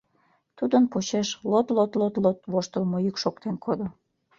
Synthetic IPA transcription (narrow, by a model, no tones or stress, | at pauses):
t̪ud̪ənpot͡ɕeʃlot̪lot̪lot̪lot̪βoʃt̪əlmojykʃokt̪enkʰod̪o